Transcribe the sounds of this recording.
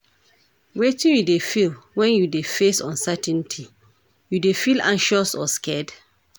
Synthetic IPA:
wetĩnjudefilwɛ̃njudefesɔ̰̃nsɛtɛ̃ntʰi | judefilãnʃɔsɔ̰skɛd

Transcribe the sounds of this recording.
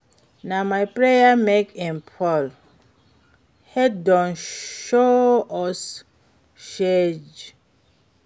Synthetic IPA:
namajpɹejamekɛ̃npʰɔl | hɛdɔ̃nʃoɔs | ʃed͡ʒ

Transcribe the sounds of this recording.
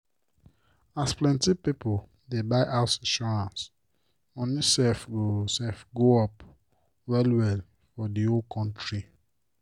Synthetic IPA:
asplɛ̃ntipipol | debaɪʔaʊtĩnʃɔɹãns | õnisɛfɡosɛfɡoɔp | wɛlwɛl | fɔdiolkʰɔ̃ntɹi

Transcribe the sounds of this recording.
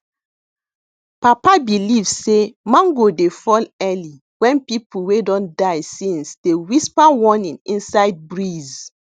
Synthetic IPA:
papabilivsemãŋɡodefɔlɛli | wɛ̃npipuwedɔ̃ndajsĩnsd̥ewispawɔnĩnĩnsaɪd̚bɹiz

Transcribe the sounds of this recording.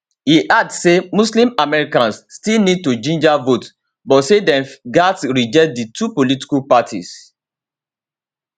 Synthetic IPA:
hiʔadsemuslĩmamɛɹikãnsːtilnid̚tud͡ʒĩnd͡ʒavot | bɔtsedɛ̃ɡatsɹid͡ʒɛkt̚ditʰupoliti̥kupatʰḭs

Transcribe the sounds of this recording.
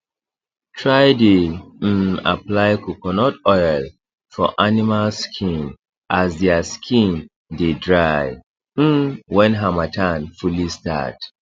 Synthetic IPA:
tʰɹajdem̩a̰plajkukɔnɔtɔjl | fɔ̰ʔanimalskʰĩn | ʔasdɛaskʰĩn | dedɹaj | m̩wɛ̃nɦamatʰãnfulista̰t

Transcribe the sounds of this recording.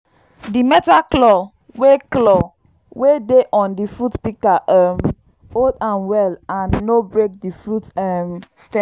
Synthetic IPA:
dimɛtaklɔ | weklɔ | wedeʔɔ̃ndifɹutpikaʔɛm | odãnwɛlãnːobɹek̚difɹutɛmstɛ̃

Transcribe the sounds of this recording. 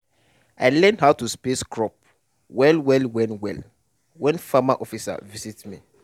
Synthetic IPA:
aɪlɛ̃ndhaʊtuspeskʰɹɔp̚ | wɛlwɛlwɛ̃nwɛl | wɛ̃nfamaʔɔfisa̰visitmḭ

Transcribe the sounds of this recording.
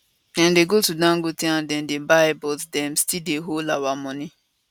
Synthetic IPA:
ãndeɡotudãŋɡotĩãndɛ̃ndebaɪbɔtdɛ̃mstildeɦolawamɔ̃nĩ

